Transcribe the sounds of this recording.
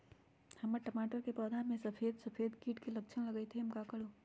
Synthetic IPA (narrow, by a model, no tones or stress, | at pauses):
həməɾʈəmaːʈəɾkepəːd̪ʱamẽsəpʰeːd̪səpʰeːd̪kiːʈkelək̚t͡ʃʰənləɡəjt̪ʰeɦəmkakəɽo